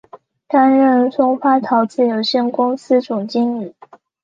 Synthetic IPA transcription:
t̪a˥nɻə˥˧nʂʊ˥ŋxwa˥t̪ʰɑ˧˥ʊt͡sɹ̩˥˩jo˧˩ʊɕjɛ˥˩nkʊ˥ŋsɹ̩˥ʈ͡ʂʊ˨˩ŋt͡ɕi˥ŋi˨˩˦

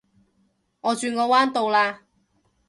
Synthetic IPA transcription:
ŋɔː˨˧t͡ʃyː˧nŋɔː˨˧waː˥nt̪o˨˧wlaː˧

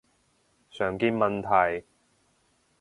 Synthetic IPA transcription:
sœː˨˩ŋkiː˧nmɐ˨nt̪ʰɐ˨˩j

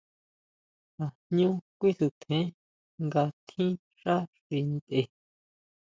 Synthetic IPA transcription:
a˨nɲũ˦kʷi˦su˧t̪ʰẽ˨˦ | ŋɡa˧t̪ʰĩ˦ | ʃa˦ʂi˧ĩ˧t̪e˧˨

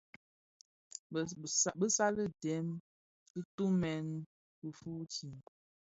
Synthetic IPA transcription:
bə˦sa˦lə˦dɛ˨˦m | kə˦tu˦mɛ˨n | bə˨fu˦t͡ʃi˨n

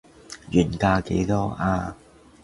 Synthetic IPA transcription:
jyː˨˩nkaː˧kḛ˨˥jt̪ɔː˥ʔaː˧

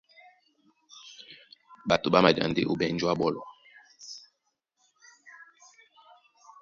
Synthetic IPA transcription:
ɓa˨to˨ɓa˦ma˨d͡ʒa̰˨nde˦ʔo˨ɓɛ˨n˦d͡ʒwa˦ɓɔ˦lɔ˨

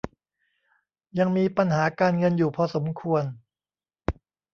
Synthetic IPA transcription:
ja˧ŋmiː˧pa˧nɦaː˩˦kaː˧nŋɤ˧njuː˨˩pʰɔː˧so˩˦mkʰu˧ən

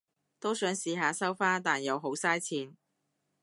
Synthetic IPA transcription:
t̪o˥wsœː˨˥ŋsiː˨˧ɦaː˨˧sɐ˥wfaː˥nt̪aː˨njɐ˨˧wɦo˨˥wsaː˥jt͡sʰiː˨˧n

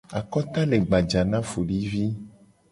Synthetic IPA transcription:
a˨kɔ˦t̪a˦le˨ɡ͡ba˨d͡ʒa˨nã˦fu˨li˦vi˦

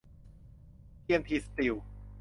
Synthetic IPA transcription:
t̪ʰi˥əmt̪ʰi˧st̪i˨˩w

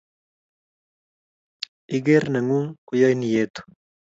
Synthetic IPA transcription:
i˦ɡe˦ɾna˨ŋu˦ŋkʊ˨jɔ˦jni˨jet̪u̥

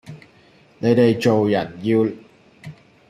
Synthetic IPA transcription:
ne˨˥jt̪e˨jt͡so˨wjɐ˨˩njiː˧w

